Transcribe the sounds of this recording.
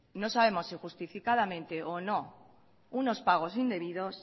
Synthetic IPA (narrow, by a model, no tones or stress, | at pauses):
no̞saβe̞mo̞sːixust̪ifikaðamẽ̞nt̪e̞ʔono̞ | uno̞spaɣ̞o̞sind̪e̞βiðo̞s